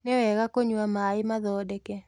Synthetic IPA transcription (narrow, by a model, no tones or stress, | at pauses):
nɛwɛɣakoɲwamaɪmaðɔːdɛkɛ